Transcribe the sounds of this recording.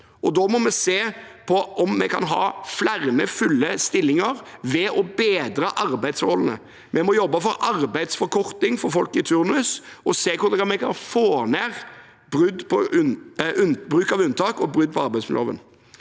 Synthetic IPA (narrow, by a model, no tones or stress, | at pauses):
ʔɔd̪ɔmɔmɛseːpʰɔʔɔmːɛkʰɑ̰nɦɑ̰ːflæʁnəfʉlːəst̪ɪlːɪŋəɾʋɛʔɔbeːd̪ɾəʔɑɾbæɪd̪so̰ːlnə̰ | mʔɛmɔjɔbːəfɔɾɑʁbæɪd̪sfɔɾkʰɔɾt̪ɪŋfɔɾfɔlkɪt̪ʰʉɾnʉsɔseːkʊɾd̪ɛɡɑmɛkʰɑnfoːnæːʁ | b̥ʁʏd̪pʰɔʔʉbɾʉːkɑʋʉnt̪ɑːkɔbɾʉd̪̚pʰɔɑɾbæɪtsmɪlo̰ːʋə̰n